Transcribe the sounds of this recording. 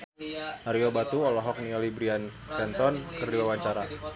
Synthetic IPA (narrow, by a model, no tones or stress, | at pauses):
maɾiobat̪uɔlɔɦɔk̚niɔlibɾian | kɛnt̪ɔnkɨrdiwawaɲt͡ʃaɾa